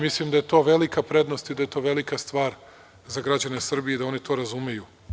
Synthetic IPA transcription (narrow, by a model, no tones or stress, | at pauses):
mislimd̪ajet̪o̞ːʋe̞likapɾe̞d̪no̞st̪id̪aje̞t̪o̞ːʋe̞likast̪ʋaːɾ | zaɡɾad͡ʑanesr̩bijed̪ao̞nit̪o̞ːɾazumeju